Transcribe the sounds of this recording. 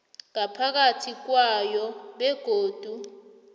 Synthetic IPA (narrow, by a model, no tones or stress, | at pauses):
ŋapʰak̬atʰik̬wajɔɓɛɡ̥ʱoːd̥ʱu